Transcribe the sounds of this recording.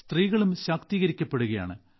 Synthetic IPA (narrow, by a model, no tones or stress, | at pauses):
st̪riːɣɐɭumɕaːkt̪iːɣɐɾikʲːɐpːe̞ɽuɣɐja̰ːɳɨ̰